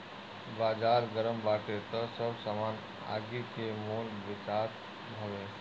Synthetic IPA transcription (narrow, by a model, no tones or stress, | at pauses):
bad͡zaɾɡəɾəmbaʈet̪əsəbsəman | a̰ɡikemonbit͡ʃat̪ | bʱəʋe